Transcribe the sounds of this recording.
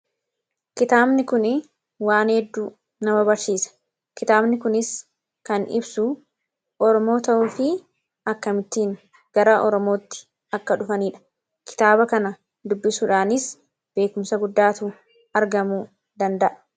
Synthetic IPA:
kɪt̪aːbnɪkʊn | waːnhɛd̪ːuː | nɐmɐbɐɾsiːsɐ̥ | kɪt̪aːbnɪkʊnɪs | kɐnɪ̰bsʊ | ʔɔɾɔmo̞ːt̪ɐʔuːfɪ | ɐkːɐmɪt̪ːiːn | ɡ̥ɐɾaːʔɔɾɔmo̞ːt̪ːɪ̥ | ɐkːɐᶑʊfɐniːᶑɐ̥ | kʰɪ̥t̪aːbɐkɐnɐ | d̪ʊbːɪsuːᶑaːnɪs | b̥e̞ːkʊmsɐɡʊd̪ːaːt̪uː | ɐɾɡɐmuː | d̪ɐnd̪ɐʔɐ̥

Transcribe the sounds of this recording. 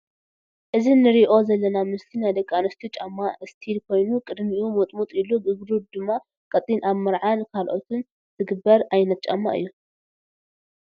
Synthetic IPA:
ʔɨzinɨɾiʔo̞zɐlːɐnamɨst̪ʰinajd̪ɐkʼːanɐst̪ʰit͡ʃʼamːaʔɨst̪ʰilkʰo̞jnukʼɨd̪miʔumɐt̪ʼmut̪ʼiluɡɨɡɾud̪ɨmːa | kʼɐt̪ʼːinʔaβmɐɾʕankʰalʔot̪ʰɨn | t̪ʰɨɡɨbːɐɾajnɐt̪̚t͡ʃʼa̰mːa̰ʔɨ̰jːu

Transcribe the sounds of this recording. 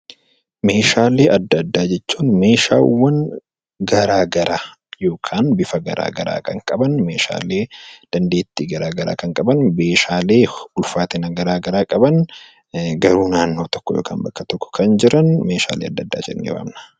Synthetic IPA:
me̞ːʃaːleːʔɐd̪ːɐd̪ːaːd͡ʒɛt͡ʃːuːnme̞ːʃa̰ːwːɐn | ɡɐɾaːɡɐɾaː | jo̞ːkʰaːnbɪfɐɡɐ̰ɾa̰ːɡɐɾa̰ːkʰɐŋkʼɐbɐnme̞ːʃa̰ːle̞ːd̪̥ɐnd̪eːt̪ːiːɡɐɾaːɡɐɾa̰ːkɐŋkʼɐbɐnbe̞ːʃaːleːʊlfaːt̪ɪnɐɡɐɾaːɡɐɾaːkʼɐbɐn | ɡɐɾuːnaːnːo̞ːt̪ɔ̥kːɔjo̰ːkʰa̰ːnbɐkːɐt̪ɔkːɔ̥kʰɐnd͡ʒɪɾʔɐnme̞ːʃa̰ːleːɐd̪ːɐd̪ːa̰ːd͡ʒɛ̰nnːḛwa̰ːmnɐ̥

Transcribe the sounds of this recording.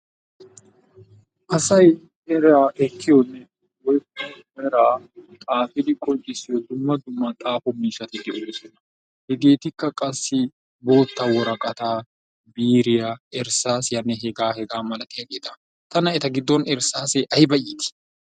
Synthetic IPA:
ʔɐsɐj | ɛɾaːʔɛkːɪjɔnːɛ | wɔjkːɐmɛɾaːt̪ʼaːfɪd̪ɪkʼɔnt͡ʃʼɪsɪjɔd̪ʊmːɐd̪ʊmːɐt̪ʼaːfɔmiːsɐt̪ɪd̪ɪʔɛsɔnːɐ | hɛɡe̞ːt̪ɪkːɐkʼɐsːɪ | bo̞ːt̪ːawɔɾɐkʼɐt̪aː | biːɾɪjɐɛɾsaːsjɐnːɛɦɛɡaːhɛɡaːmɐlɐt̪ɪɐkʼɪd̪ɐ | t̪ɐnɐɛt̪ɐɡɪd̪ːɔnɛɾsaːsɛʔɐjɪbɐjit̪ɪ̥

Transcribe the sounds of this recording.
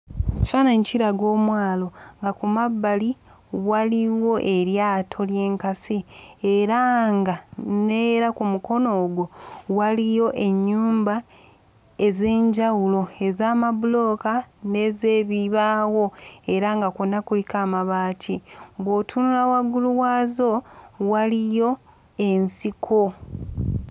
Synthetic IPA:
ci̥fanaɲiciɾaɡo̞ːmwaːlo̞ŋɡakumabːali | waliwo̞ʔe̞ɾjaːtʰo̞lje̞ːŋkasieɾaŋɡaneɾakumuko̞no̞ːɡwo̞walijo̞ʔe̞ɲːuːmba | e̞ze̞ːɲɟawulo̞e̞zaːmabulo̞kane̞zeːβiβaːwo̞e̞ɾaŋɡakonːakulikaːmaβaːtʰiβwo̞tʰunulawaɡuluwaːzo̞walijo̞ | e̞nsikʰo̞

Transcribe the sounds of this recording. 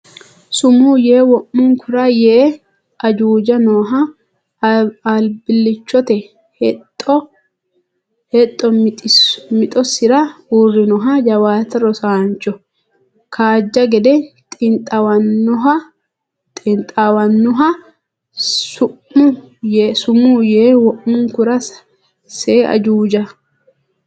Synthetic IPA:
sʊmuːjeːwɔʔːʊŋkʰʊɾɐjeː | ɐd͡ʒuːd͡ʒɐnoːɦɐ | albɪlːɪt͡ʃːɔt̪ɛ | htʼːɔ | hɛt̪ʼːɔ | mɪt̪ʼɔsɪɾɐuːrːɪnɔɦɐd͡ʒɐwaːt̪ɐɾɔsaːnt͡ʃːɔ | kʰaːd͡ʒːɐɡɛd̪ɛt̪ʼɪnt̪ʼɐwɐnːʊɦɐ | t̪ʼɪnt̪ʼawɐnːʊɦɐ | sʊ | ʊ | jesʊmujeːwɔʔmʊŋkʊɾɐs | seːɐ̰d͡ʒuːd͡ʒɐ

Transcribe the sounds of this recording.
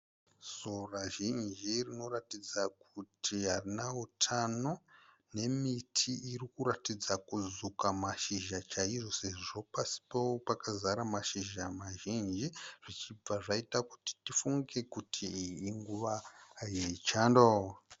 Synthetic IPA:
zoraʒind͡ʒirino̞ɾatid͡zakutʰiɦarinaɦutʰano̞ | ne̞mitʰiʔirikuratid͡zakuzukamaʃiʒat͡ʃaiʐo̞se̞ʐiʐo̞pasi̥powopakazaɾamaʃiʒamaʒind͡ʒiʐ̥it͡ʃib͡vaʐaitakuti̥tifuŋɡe̞kutʰiːŋɡuʋaːjet͡ʃaːndo

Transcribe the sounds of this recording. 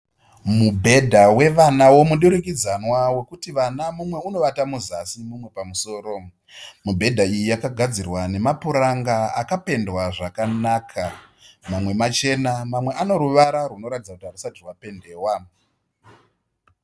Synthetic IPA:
mubʱe̞dʱawe̞ʋanawo̞muɗuɾikid͡zanwawe̞kutiʋanamumwe̞uno̞ʋatamuzasimumwe̞pamuso̞ːɾo̞ | mubʱe̞dʱaijijakaɡʱad͡zirwane̞mapuɾaŋɡaakape̞ndwaʐakanakʰa | mamwe̞mat͡ʃe̞namamwe̞ʔano̞ɾuʋaɾaruno̞ɾatid͡zakutiɦarusatirwape̞nde̞ːwa

